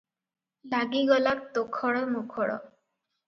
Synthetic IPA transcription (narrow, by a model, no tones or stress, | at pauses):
laɡiɡɔlak̚t̪okʰɔɽɔmukʰɔɽɔ̰